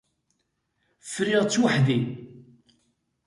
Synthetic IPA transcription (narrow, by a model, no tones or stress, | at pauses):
fɾɪʁt͡sːwaħði